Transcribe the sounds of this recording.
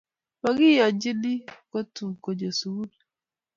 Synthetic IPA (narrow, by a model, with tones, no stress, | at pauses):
ma˨ɡɪ˦ja˨d͡ʒɪ˦di˦ko˦tu˨ko˨d͡ʒo˨su˨u˦l